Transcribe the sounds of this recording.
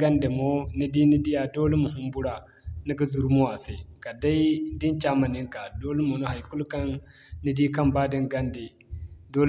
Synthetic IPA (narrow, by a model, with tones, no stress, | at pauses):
ɡa˦nde˨mo˦ni˦di˦ni˦di˦ja˨do˦le˦mo˨ɦu˦mbu˦ɾa˨ | ni˦ɡa˦zu˨ɾmo˦wa˨se˦˨ka˨da˦i˦di˦nt͡ʃa˦ma˨ni˦ŋka˨do˦le˦mo˨no˦ɦa˨jku˦lka˦nː | i˦di˦ka˦mba˦di˦ŋɡa˦nde˨ | do˦l